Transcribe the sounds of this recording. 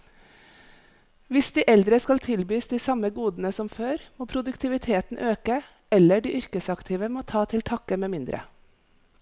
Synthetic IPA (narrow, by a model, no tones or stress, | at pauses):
ʋɪsd̪iːʔɛld̪ɾəskɑlt̪ʰɪlbyːsd̪iːsɑməɡuːd̪n̩əsɔmføːɾmoːpʰɾʊd̪ʉkt̪ʰɪʋɪt̪ʰeːt̪n̩ʔøːkə | ʔɛləɖiːʔʏɾkəsɑkt̪ʰiːʋəmoːt̪ʰɑːt̪ʰɪlt̪ʰɑkəmeːmɪnd̪ɾʔə̰